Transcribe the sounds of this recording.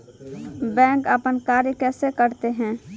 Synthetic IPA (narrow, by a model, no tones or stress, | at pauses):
bɛ̃ːŋkəpənkaːɾjəkɛːsekəɾt̪eɦɛ̃ː